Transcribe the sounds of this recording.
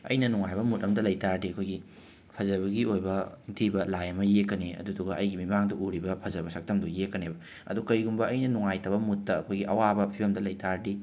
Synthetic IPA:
ɐ̰jnɐnuŋajbɐmut̚ɐŋdɐlɐjtaɾdiɐkʰojɡi | pʰɐzɐβɐɡiojbɐitʰibɐlajɐmɐjekːɐneɐ̰duduɡɐʔɐjɡimimaŋdɐʔuɾibɐpʰɐzɐbɐsʰɐk̚tɐmdujekːɐnebɐ | ɐ̰dukɐjɡumbɐɐjnɐnuŋajtɐbɐmutːɐːkʰojɡiʔɐwabɐpʰibɐmdɐlɐjtaɾdi

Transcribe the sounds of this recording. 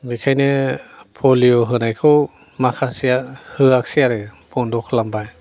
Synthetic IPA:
ɡɯjkʰajnɯpʰolioɦɯnajkʰɯw | makʰasiahɯak̚siaɾɯbɔndɔkʰlambaj

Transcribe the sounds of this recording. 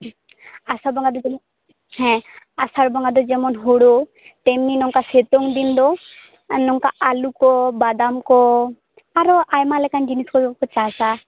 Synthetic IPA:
asabɔŋɡad̪ɔ | hɛ̃ | asaɾbɔŋɡad̪ɔd͡ʒɛmɔnɦoɽo | t̪ɛmninɔŋkaset̪ɔŋd̪ind̪ɔ | nɔŋkaalukɔbad̪amkɔ | aɾɔʔajmalɛkand͡ʒiniskɔikɔkɔt͡ʃasa

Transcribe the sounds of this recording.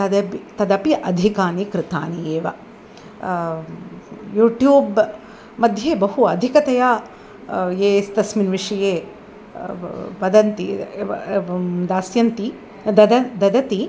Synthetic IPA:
t̪ɐd̪ɐpit̪ɐd̪ɐpiʔɐd̪ʱikaːnikɾɪt̪a̰ːnijeːʋɐ̰ | juːʈjuːb | mɐd̪ʱjeːbɐɦuɐd̪ʱikɐt̪ɐjaː | jeːst̪ɐsminʋiʂɐjeː | ʋɐd̪ɐnt̪i | d̪aːsjɐnt̪i | d̪ɐd̪ɐd̪ɐd̪ɐt̪i

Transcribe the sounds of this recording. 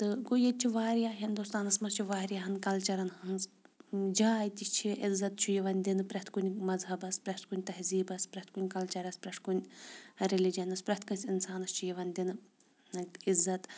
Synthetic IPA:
t̪ɨɡojɐt͡ʃʰiʋaːɾjaːɦind̪ust̪aːnɐsmɐst͡ʃʰiʋaːɾijaːɦɐnkɐlt͡ʃɐɾɐnɦɐnsd͡ʒaːjt̪ʲist͡ʃʰiʔizːɐt̪t͡ʃʰujiʋɐnʲd̪inpɾɐht̪kunʲmɐzɦɐbɐspɾɐht̪kunʲt̪ɐɦziːbɐspɾɐt̪kunʲkɐlt͡ʃɐɾɐspɾɐt̪kunʲɾelid͡ʒɐnɐspɾʲɐt̪̚kɨnʲsʲinsaːnɐst͡ʃʰujiʋɐnʲd̪ʲin | izːɐt̪

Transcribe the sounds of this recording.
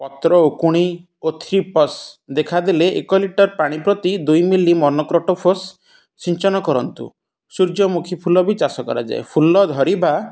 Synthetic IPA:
pɔt̪ɾɔokuɽ̃i | ot̪ʰɾipɔsd̪ekʰad̪eleʔḛkɔliʈɔɾpaɽ̃ipɾɔt̪id̪ujmilimɔnɔkɾɔʈɔpʰos | t͡ʃʰiɲt͡ʃɔnɔkɔɾɔnt̪ṵ | suɾd͡ʒɔmukʰipʰulɔbit͡ʃasɔkɔɾa̰d͡ʒa̰ḛpʰulɔd̪ʱɔɾibʱa

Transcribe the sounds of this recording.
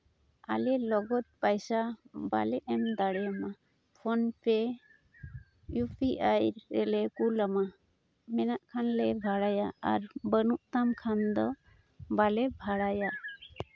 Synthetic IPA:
a̰lɛlɔɡɔt̪̚pajsaba̰lɛʔɛmd̪aɽɛama | pʰɔnpɛ | jupʰiʔajɾɾɛlɛkulama | mɛnaʔkʰanlɛbʱaɽajaaɾbənuʔt̪amkʰand̪ɔ | balɛbʱaɽaja

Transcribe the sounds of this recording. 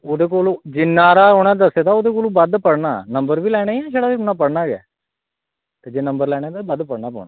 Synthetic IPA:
oːd̪eːkoːlod͡ʒɪnːaːɾaːʊnãːd̪əseːt̪aːoːd̪eːk̬oːloːbəd̪pəɽna̰ːnəmbəɾʋiːlɛːɽ̃aːiːɛːʃeːɽaːʋiʊnaːpəɽnaːɡɛ̰ː | t̪eːd͡ʒeːnəmbəɾlɛːɽ̃aːt̪abəd̪pəɽnaːpə̰ːnaː

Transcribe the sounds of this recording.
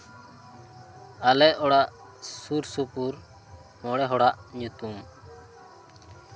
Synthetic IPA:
alɛʔɔɽaʔ | suɾsupuɾ | mɔɽɛɦɔɽaʔɲut̪um

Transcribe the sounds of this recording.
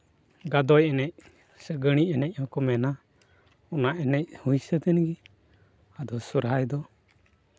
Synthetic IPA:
ɡad̪ɔjɛnɛc̚ | səɡəɽ̃iɛnɛc̚ˀhɔkɔmɛna | ɔnaʔɛnɛc̚hujsət̪ɛnɡi | ad̪ɔsuɾɦajd̪ɔ

